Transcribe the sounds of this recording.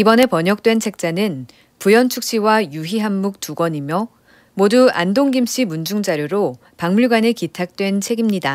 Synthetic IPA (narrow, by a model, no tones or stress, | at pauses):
ibʌne̞pʌɲʌk̚t͈we̞nt͡ɕʰek̚t͡ɕ͈anɯn | pujʌnt͡ɕʰuk̚ɕ͈iwajuɦiɦamːuk̚t͈uɡwʌɲimjʌ | modua̰ndoŋɡimɕ͈imund͡ʑuŋd͡ʑaɾjoɾo | paŋmuɭɡwanekitʰak̚t͈we̞nt͡ɕʰe̞ɡimɲida